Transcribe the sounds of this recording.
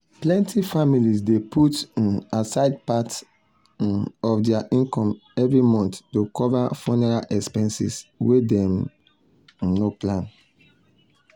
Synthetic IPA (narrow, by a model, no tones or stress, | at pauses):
plɛ̃ntʰifamilisdepʰutasaɪd̚pat | ɔfdɛaʔĩnkɔ̃mɛvɹimɔ̃nttokɔvafɔnɛɹalʔɛkspɛ̃nsḭswedɛm | noplãn